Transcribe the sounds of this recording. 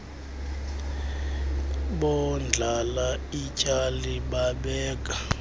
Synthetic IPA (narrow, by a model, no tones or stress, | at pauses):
ɓɔnd͡ɮʱalaicʼaliɓaɓɛːk̬ʼa